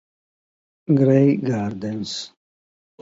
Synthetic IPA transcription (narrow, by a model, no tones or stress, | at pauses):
ɡɾejɡaːɾd̪əns